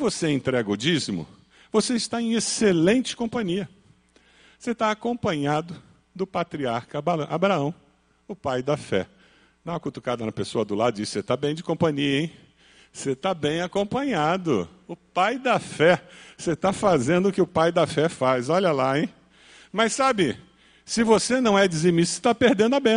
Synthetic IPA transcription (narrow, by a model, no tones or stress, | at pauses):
voseẽnt̪ɾɛɡɐʊd͡ʒizmʊ̰ | voseɪst̪aẽj̃eselẽnt͡ʃɪ̥kõpɐ̃ɲiɐ | set̪aːkõpɐ̃ɲad̪ʊ | d̪ʊpat̪ɾiaɾkɐbaɐ̃ʔabɾaɐ̃w̃ | ʊpajd̪ɐfɛ̰ | d̪ɐ̃w̃ɐkut̪u̥kad̪ɐnɐpesoɐd̪ʊlad̪ʊd͡ʒisɪ̥set̪abẽj̃d͡ʒɪkõpɐ̃ɲiɐẽj̃ | set̪abẽj̃akõpɐ̃ɲad̪ʊ̰ | ʊpajd̪ɐfɛset̪afazẽnd̪ʊkɪʊpajd̪ɐfɛfazɔʎɐlaẽj̃ | mɐsabɪ | sɪvosenɐ̃w̃ɛd͡ʒɪzemisʊ̥se̥t̪apeɾd̪ẽnd̪ʊabẽ